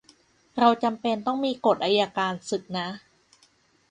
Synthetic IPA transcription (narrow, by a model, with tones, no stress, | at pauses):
ɾa˧wt͡ɕa˧mpe˧nt̪ɔ˥˩ŋmiː˧ko˨˩t̪̚ʔaː˧jaː˧kaː˧nsɯ˨˩k̚na˦˥